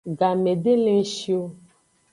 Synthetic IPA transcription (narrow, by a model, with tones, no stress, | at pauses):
ɡa˨me˨ɖe˦lẽ˦ʃi˦o˦